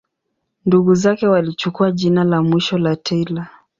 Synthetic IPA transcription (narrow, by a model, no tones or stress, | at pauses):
nduɡuzakɛwalit͡ʃukuaʄinalamwiʃɔlatʰɛila